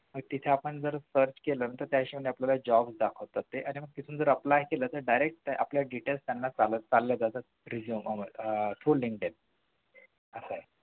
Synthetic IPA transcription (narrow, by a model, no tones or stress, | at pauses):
m̤əɡt̪it̪ʰeapəɳd͡zəɾsəɾt͡ɕkelənənt̪əɾt̪jaɕiːm̤əɳɳeapljalad͡ʑɔbsd̪akʰəʋt̪ət̪ːeʔañiməɡ̚t̪it̪ʰuːnd͡zəɾəplajkelət̪əɾɖajɾek̚ʈ̪ʔa̰pljaɖiʈelst̪janːat͡salət͡salːjad͡zat̪ə | ɾid͡ʑjuːməmət̪ʰɾuːliŋɡʈen | əsaje